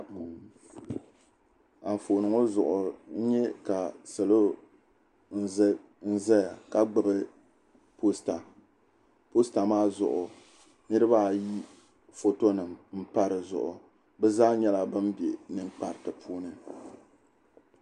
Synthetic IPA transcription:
a˨ɱ˨foː˨nɨ˨ŋo˦zʊ˨ʔʊ˨˦ɲɛ˦ka˨sɨ˨lo˦ | n̩˦ | n̩˦zɛ˦ja˨ka˦ɡ͡bɨ˨bɨ˦ | po˦sta˨ | po˦sta˨maː˦zʊ̰˨ʔʊ˨ | nɨ˦ɾɨ˦ba˦˨ji˦ | fo˦to˦nɨ˨mm̩˦pa˦ɾɨ˨zʊ̰˨ʔʊ̰˨ | bɛ˦zaː˦ɲɛ˦la˦bɨ˦mbe˨nɨ˦ŋk͡pa˨ɾtɨ˨pʰuː˦nɨ˦

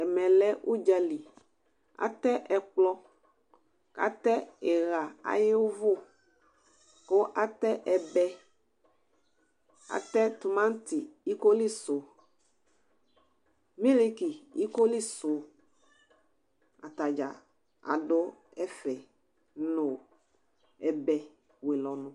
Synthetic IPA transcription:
ɛ˨mɛ̃˨lɛ˦ʔu˦d͡ʒa˨li˨ | a̰˨t̪ɛ˦ʔɛ˨k͡plɔ˦ | ka̰˨t̪ɛ˦ɛ˨ɣa˨a̰˨je˦wo˦vo˦ | ko˦ʔa˦t̪ɛ˦ʔɛ˨bɛ˦ | a̰˨t̪ɛ˦t̪u˨mã˦t̪i˨i˦ko˦li˦sʊ˨ | mĩ˦li˦ki˨i˦ko˦li˦sʊ˨ | a̰˨t̪a˨d͡ʒa˨ | a̰˨dʊ˦ | ɛ˦fɛ˨ | nõ˨ | ɛ˨bɛ˨ | we˨lɔ˨nʊ̃˨

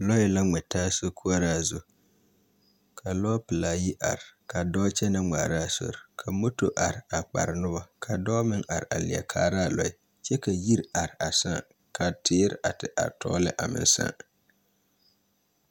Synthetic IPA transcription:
lɔ˦ɪ˦la˦ŋ͡mɛ˨taː˦so˦kʰu˦a˦ɾa˦˨zo˨ | kʰa˨lɔː˦pɪ˨la˨ji˦ʔa̰˨ɾɪ˨ka˨dɔː˦t͡ʃɛ˦na˦ŋ͡ma̰ː˨ɾa˦˨so̰˨ɾkʰa˨mo˦to˨ʔa˨ɾa˨k͡pa̰˨ɾɪ˨nʊ˦ba˦kʰa˨dɔː˦mɪ˦ŋʔa˨ɾa˨lɪ˨a̰˨kʰaː˦ɾa˦˨lɔ˦ɪ˨˦ | t͡ʃɛ˦ka˨ji˦ɾa˨ɾɪ˨a˨sã̰ː˦˨ | kʰa˨tʰɪː˦ɾʔa˨tɪ˨ʔa̰˨ɾtɔ̰ː˦lɪ˦ʔa˨mɪ̰˦n˦sã̰ː˦˨

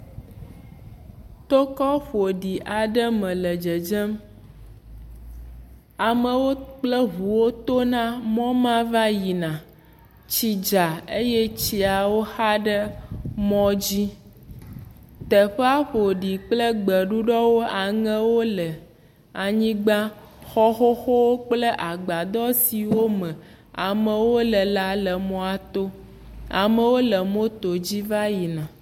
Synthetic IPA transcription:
t̪o˦kɔ˦ɸo˨ɖi˨ʔa˨ɖə˦mɛ̃˨lə˨d͡ʒə˨d͡ʒɛ˦m | a˨mə˨wo˦k͡plɛ˦ɦu˨wo˦t̪o˦nã˦mɔ̃˦mã˦va˦ji˨nã˨ | t͡ɕi˦d͡ʒa˨e˦jɛ˦t͡ɕi˨a˨wo˦xa˦ɖə˦mɔ̃˦d͡ʑi˦ | t̪ə˨ɸe˦a˦ɸo˨ɖi˨k͡plə˦ɡ͡bə˨ɖu˦ɖɔ˦wo˦a˨ŋẽ˦wo˦lə˨ | a˨ɲĩ˦ɡ͡ba˦ | xɔ˦xo˦xo˦wo˦k͡plə˦ʔa˨ɡ͡ba˨d̪ɔ˦si˨wo˦mə̃˨ | a̰˨mə̃˨wo˦lə˨la˦lə˨mɔ̃˨a˨t̪o˦ | a˨mə˨wo˦lə˨mõ˦t̪o˨d͡ʑi˦va˦ji˨nã˨

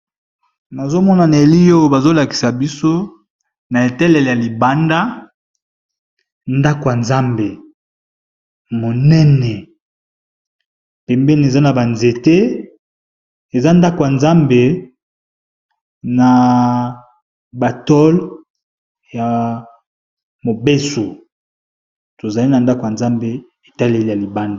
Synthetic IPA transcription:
na˨zo˦mɔ˦na˨na˨e˨li˦jo˦jo˨ba˨zo˦la˨ki̥˨sa˨bi˦so˦ | na˨e˨tɛ˦lɛ˨le˨ja˨li˨ba˦nda˦ | nda˦ko˨ja˨nza˦mbe˨ | mo˨nɛ˦nɛ˨ | pɛ˨mbɛ˦ni˨e˨za˦na˨ba˨nze˨te˦ | e˨za˦nda˦ko˨ja˨nza˦mbe˨ | na˨ | ba˨tɔ˦l | ja˨ | mo˨be˦so˨ | to˨za˨li˦na˨nda˦ko˨ja˨nza˦mbe˨ | e˨ta˦le˦li˨ja˨li˨ba˦nda˨

